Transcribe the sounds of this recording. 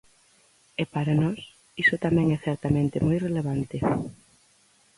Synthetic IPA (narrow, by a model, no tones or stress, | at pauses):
epaɾanɔs | isʊt̪amɛ̃ŋɛθɛɾt̪amẽnt̪ɪmɔjreleβant̪ɪ